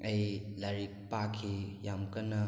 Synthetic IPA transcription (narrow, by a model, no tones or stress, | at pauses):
ɐjlaɾik̚pakʰijamkɐnɐ